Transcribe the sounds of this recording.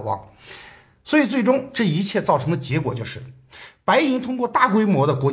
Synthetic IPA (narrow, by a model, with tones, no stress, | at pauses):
wɑ̰˥˩ŋ | swɔ˧˥i˨˩t͡s̬we˥˩ɪʈ͡ʂʊ˥ŋʈ͡ʂɤ˥˩i˧˥t͡ɕʰjɛ˥˧t͡sɑ˥˩ʊʈ͡ʂʰɤ˧˥ŋd̪ə˨˩t͡ɕjɛ˧˥kwɔ˨˩t͡ɕjo˥˧ʊʂɻ̩˥˩ | pa˧˥ɪi˧˥ŋt̪ʰʊ˥ŋkwɔ˥˧t̪a˥˩kwe˥ɪmwɔ˧˥d̪ə˧kwɔ˧˥